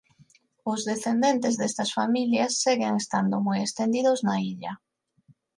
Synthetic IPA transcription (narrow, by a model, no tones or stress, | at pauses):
ʊzðeθend̪ent̪ezðest̪ɐsfamiljasːeɣeŋest̪and̪ʊmojest̪end̪iðʊznaiʎɐ